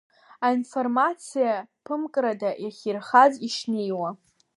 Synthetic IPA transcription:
ainfo̞rmat͡sʰijapʰɨmkʼɾadaʔjaχʲirχaziʂnejwa

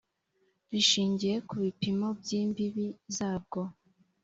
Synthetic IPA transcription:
ɾiʃiːɲɟije̞kuβipimo̞bɟiːmbiβizaːb̚ɡo̞

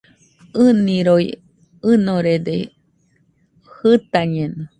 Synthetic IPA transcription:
ɨniɾoj | ɨnoɾed̪e | hɨt̪aɲeno

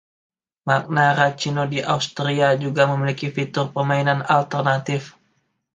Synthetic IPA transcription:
mak̚naɾat͡ʃinodiʔaust̪ɾiad͡ʒuɡaməmilikifit̪ʊrpərmainanalt̪ərnat̪ɪf

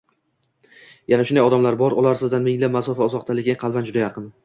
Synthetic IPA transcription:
janaʃʊnd̪ajɒd̪amlaɾbɒɾʊlˠaɾsɪzd̪anmɪŋlamasɒfaʊzɒqt̪ʰalɪɡʲaqʰɑlˠband͡ʒʊd̪ajɑqʰɨn

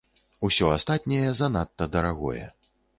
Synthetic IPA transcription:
usʲɔast̪at̪̚ʲnʲɐjɛzɐnat̪ːɐd̪ɐɾaɣɔ̰jɛ̰

